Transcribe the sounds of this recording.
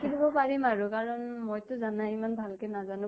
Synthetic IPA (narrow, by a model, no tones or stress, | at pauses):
kʰilibɔpaɹimaɹukaɹɔnmojtʊzanaimanbʱalkɛnazanʊ̃